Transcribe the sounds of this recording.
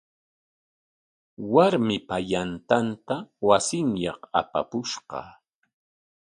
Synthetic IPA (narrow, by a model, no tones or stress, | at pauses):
waɾmɪpajant̪ant̪awasɪŋjɑqa̰pa̰pʊʃɢɑ̰